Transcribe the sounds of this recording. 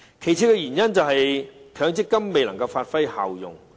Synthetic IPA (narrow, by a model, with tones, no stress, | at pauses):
kʰe˨˩jt͡sʰiː˧˥kɛ˧jyː˨˩njɐ˥nt͡sɐ˨wɦɐ˨jkʰœː˨˧˥ŋt͡sɪ˥kːɐ˥mːe˨jlɐ˨˩ŋkɐ˧wfaː˧t̚fɐ˥jha̰ː˨˩wjʊ̰˨ŋ